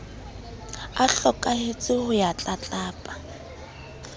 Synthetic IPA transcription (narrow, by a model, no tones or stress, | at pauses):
aɬɔkʼahet͡sʼɪhʊjat͡ɬʼat͡ɬʼaːpʼa